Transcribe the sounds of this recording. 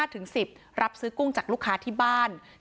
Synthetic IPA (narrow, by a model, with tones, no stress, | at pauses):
aː˥˩t̪ʰɯ˩˦ŋsi˨˩p̚ | ɾa˦˥p̚sɯː˦˥ku˥˩ŋt͡ɕaː˨˩k̚lu˥˩kʰːaː˦˥t̪ʰiː˥˩baː˥˩n